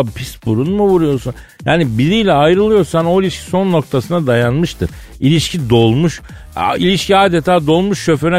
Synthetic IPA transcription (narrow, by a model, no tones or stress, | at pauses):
pʰisbuɾunmuvuɾujo̞ɾsun | jaːnibiɾijlʲɛajɾɯlˠɯjo̞ɾsano̞ilʲiʃcʰi̥so̞nːo̞k̚t̪ʰasɯnad̪ajanmɯʃt̪ʰɯɾ | ilʲiʃcʰid̪o̞lˠmuʃ | ilʲiʃciaːd̪et̪ʰaːd̪o̞lˠmuʃːø̞føɾɛ